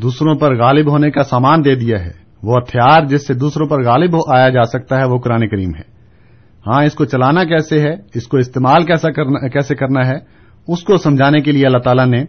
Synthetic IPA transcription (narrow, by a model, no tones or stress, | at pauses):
d̪uːsɾõpɐɾɣaːlɪbɦoːnekasaːmaːnd̪eːd̪ijaɦɛ̰ː | ʋoɐt̪ʰɪjaːɾd͡ʒɪsːed̪uːsɾõpɐɾɣaːlɪbɦoʔaːjad͡ʒaːsɐk̚t̪aɦɛʋokʊɾaːnekɐɾiːmɦɛ̰ː | hãːɪskot͡ʃɐlaːnakɛːseɦɛɪskoɪst̪eːmaːlkɛːsakɛːsekɐɾnaɦɛ | ʊskosɐ̃md͡ʒʱaːnekelieɐlːaɦt̪aːlane